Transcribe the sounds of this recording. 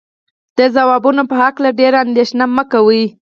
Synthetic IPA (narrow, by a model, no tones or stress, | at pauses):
d̪̥əzawɑbunopəhaklaɖeɾand̪eʃnaməkawi